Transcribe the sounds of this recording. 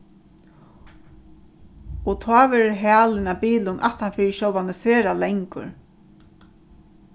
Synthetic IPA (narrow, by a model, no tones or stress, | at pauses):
ɔt̪ʰɔːʋɛːɾɦæːlɪnapiːlʊnʔa̰ht̪anfɪɾʃɔwanɪseːɾalɛŋkʊ̰ɹ